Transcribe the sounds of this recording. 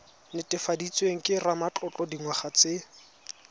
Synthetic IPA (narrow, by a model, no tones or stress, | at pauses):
nɪtʼɪfadit͡sʼweŋ̩kʼɪramat͡ɬʼɔt͡ɬʼɔdiŋwaχat͡se